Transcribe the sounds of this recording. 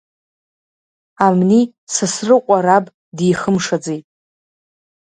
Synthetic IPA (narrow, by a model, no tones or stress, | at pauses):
amni | sasrɨqʷʼaɾabʼ | dijχəmʂad͡zejtʼ